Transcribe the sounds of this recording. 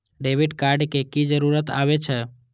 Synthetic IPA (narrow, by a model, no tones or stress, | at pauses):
ɖeʋiɖkaɾɖkekid͡ʒəɾuɾət̪a̰ʋet͡ʃʰe